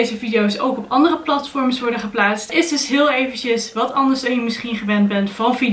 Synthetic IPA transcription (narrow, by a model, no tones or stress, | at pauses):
jzəvidiowsowkɔpɑndərəplɑtfɔɹməsʋɔɹdəχəplaːtstɪzdɵsɦɪːlˠejvəncəsʋɑtɑndəɹsdɑjəmɪsχinχəʋɛnbɛntfɑnˠvid